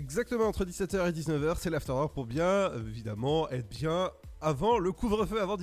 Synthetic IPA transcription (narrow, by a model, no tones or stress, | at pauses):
ɛɡzak̚t̪əmɑ̃ːt̪χəd̪isɛt̪œʁed̪iznəvœʁsɛlaft̪ɔʁɔʁpuʁbjɛ̃evid̪amɑ̃ɛt̪bjɛ̃avɑ̃ləkuvʁəføavɑ̃d̪